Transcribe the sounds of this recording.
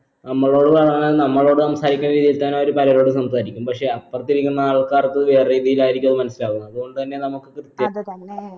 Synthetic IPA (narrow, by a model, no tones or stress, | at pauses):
nɐmːɐɭo̞ːɽɨʋɐɭɐŋnaːlnɐmːɐɭo̞ːɽɨsɐmsaːɾikʲːunɐɾiːðijilt̪ɐnːeo̞ɾupɐlɐɾo̞ːɽɨsɐmsaːɾikʲːumpɐkʂe̞ɐt̪pɐrɐt̪ːiɾikʲːunːɐaːɭkaːrt̪ːɨʋeːriːðijilaːjiɾikʲːumɐðɨmɐnɐsilaːɣunːɐɐðuɣo̞ɳɖɨt̪ɐnːe̞nɐmukːɨkrɨt̪jɐ